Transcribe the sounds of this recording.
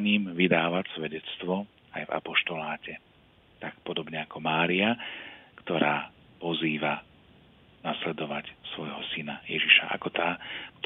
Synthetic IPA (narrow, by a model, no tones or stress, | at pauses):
ɲiːmʋid̪aːʋacsʋɛɟɛt͡st̪ʋɔ | a̰jva̰pɔʃt̪ɔlaːcɛ | t̪ak̚pɔd̪ɔbɲɛakɔmaːɾiakt̪ɔɾaː | pɔziːʋa | naslɛd̪ɔʋacsʋɔjɦɔsinajɛʒiʃa̰ʔa̰kɔt̪aːkt̪